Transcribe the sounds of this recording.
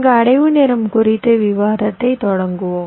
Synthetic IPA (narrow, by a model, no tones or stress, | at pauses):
ŋɡɐːɽɐjʋɯnɛɾɐmkʊɾɪt̪ːɯʋɪʋaːɾɐt̪ːɐɪt̪ɔɽɐŋɡɯʋoː